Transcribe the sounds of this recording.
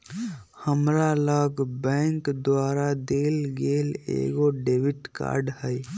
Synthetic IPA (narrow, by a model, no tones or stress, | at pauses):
həmɾaləɡbɛ̃ŋkd̪waːɾad̪eːlɡelḛɡoɖeʋiʈka̰ɾɖhəj